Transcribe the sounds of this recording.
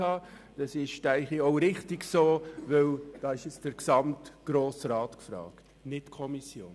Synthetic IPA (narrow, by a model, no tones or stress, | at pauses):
ɑː | d̥ɑsɪʃtæɪχiɔʊɾɪχtiɡsoːʋɵwd̥ɑːɪʃjɛt͡sd̥əɾksɑmtɡ̥ɾoːsɾɑːtkfɾɑ̰ːkt | nɪtkʰɔmisjoːn